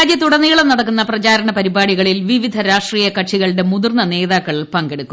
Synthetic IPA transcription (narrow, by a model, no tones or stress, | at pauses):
aːd͡ʑjɐt̪uɽɐnːiːɭɐmnɐɽɐkːunːɐprɐt͡ɕaːɾɐɳɐpɐɾibaːɽiɣɐɭilʋiʋid̪ʱɐɾaːʂʈriːjɐkɐʈʂiɣɐɭɖe̞muðurnːɐne̞ːðaːkːɐɭpɐŋɡeɽukːum